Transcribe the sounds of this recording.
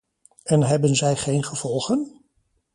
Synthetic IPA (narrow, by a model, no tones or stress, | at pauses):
ɛnɦɛbənzɛjχejnχəv̥ɔlˠχən